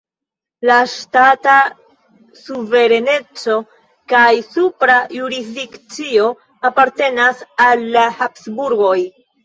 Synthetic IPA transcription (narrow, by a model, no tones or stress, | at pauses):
laʃtata | suve̞ɾe̞ne̞t͡so̞ | kajsupɾajuɾizdikt͡sio̞ | apaɾte̞nasalːahapsbuɾɡo̞j